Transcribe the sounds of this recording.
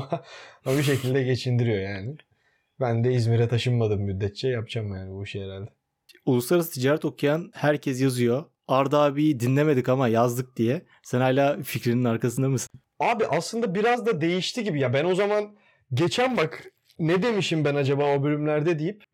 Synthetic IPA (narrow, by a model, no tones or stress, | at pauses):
abiʃ̬e̞cʰilʲd̪ɛɟe̞t͡ʃʰind̪iɾijo̞jaːnɪ | bænd̪ɛizmiɾɛt̪ʰaʃɯnmad̪ɯmːyd̪ːɛt̪̚t͡ʃʰɛjap̚t͡ʃʰamːɯjaːnibuʃejeɾælʲd̪ɛ | ulˠuslˠaɾas̬ɯ̥t̪ʰid͡ʒaːɾɛt̪o̞kʰujanhæɾcʰɛs̬jazɯjo̞ | aɾd̪aːbijd̪inlʲeme̞d̪ikamajazd̪ɯk̚d̪ijɛ | sɛnhajlʲaːficɾininaɾkas̬ɯnd̪amɯsɯ̥n | aːbiʔaslˠɯnd̪abiɾazd̪ad̪e̞jiʃt̪ʰiɟibijabæno̞zaman | ɟe̞t͡ʃʰænbak | nɛd̪e̞miʃimbænad͡ʒabaːo̞bølʲymlʲæɾd̪ɛd̪ijip